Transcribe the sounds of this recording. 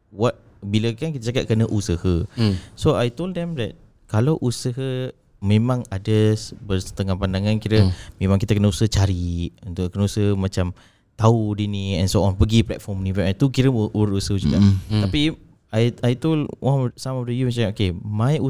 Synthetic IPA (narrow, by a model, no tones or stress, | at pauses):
wat̪̚ | biləkankit̪at͡ʃakat̪ʔ̪̚kənəʔusəhəsoajt̪oldɛmdɛt̚ | kalawʔusəɦə | mẽmãŋadəsbərsə̥t̪əŋapandaŋankiɾəmẽmãŋkit̪akənəusəht͡ʃaɾiunt̪ʊʔkənəusəmat͡ʃam | t̪audiniɛnsoɔnpəɡiplɛ̰t̪̚fɔmnĩpɛʔat̪ukiɾəʔuɾusəhd͡ʒuɡa̰ʔt̪api | ajajt̪olwʔasamafdəjumãt͡ʃaokemãju